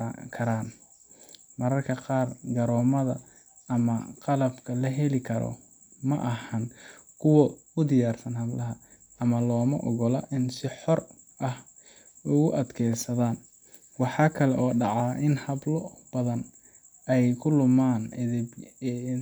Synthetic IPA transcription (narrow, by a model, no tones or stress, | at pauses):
kʰɐɾaːn | mɐɾɐrkʰɐqɑːrɡɐɾɔːmɐðɐ | ɐmɐqɑlɐbkʰɐlɐɦɛlɪkʰɐɾɔ̰ | mɐ̰ʔɐhɐnkʰʊwɔ | ʊd̪ɪjaːrsɐnɦɐblɐɦɐ | ɐmɐlɔːmɐʔɔɣɔlɐʔɪnsɪħɔr | ʔɐh | ʊɣʊʔɐd̪kʰɛjsɐðaːn | wɑħɑːkʰɐlɛʔɔːɖɑʕɑːʔɪnhɐblɔb̥ɐðɐn | ɛjkʰʊlʊmaːnb